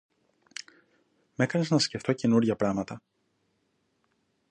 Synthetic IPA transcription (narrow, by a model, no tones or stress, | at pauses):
me̞kɐne̞znɐsce̞ft̪o̞ce̞nuɾʝɐpɾɐmɐt̪ɐ